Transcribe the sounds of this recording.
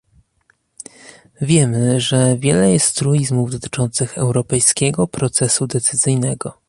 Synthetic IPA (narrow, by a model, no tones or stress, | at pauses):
vʲjɛmɘʐɛvʲjɛlɛjɛst̪ːɾuizmuvd̪ɔt̪ɘ̥t͡ʂɔnt̪sɘxɛwɾɔpɛjskʲɛɡɔpɾɔt̪sɛsud̪ɛt̪sɘzɘjnɛɡɔ